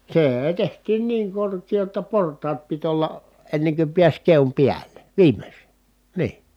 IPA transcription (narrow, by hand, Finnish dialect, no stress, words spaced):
seːe tehtiːn niːŋ korkiː jotːɑ portˑɑːt pit olːɑ enːeŋ ky piæsʲ keom piælˑe ʋiːmes niː